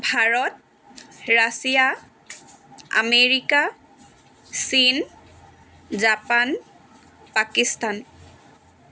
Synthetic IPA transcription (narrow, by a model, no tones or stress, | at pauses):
bʱaɹɔt̚ | ɹasija | a̰meɹika | sin | zapan | pakistan